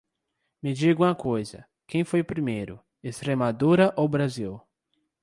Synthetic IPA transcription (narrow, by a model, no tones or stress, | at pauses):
mɪd͡ʒiɡũmɐkojzɐ̰ | kʰẽj̃fojʊpɾimejɾʊ | est̪ɾemad̪oɾɐʔowbɾaziw